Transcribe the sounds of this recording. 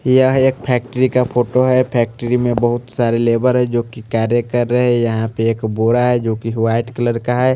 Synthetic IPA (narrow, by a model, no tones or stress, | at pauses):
jəɦeːk̚pʰɛːk̚ʈəɾikapʰoːʈoɦɛpʰɛːk̚ʈəɾimẽbəɦʊt̪saːɾeleːbəɾɦɛd͡ʒoːkikaːɾjəkəɾːəɦɛjɐɦãpeeːkboːɾaɦɛd͡ʒoːkiɦʊʋaːɪʈkələɾkaɦɛ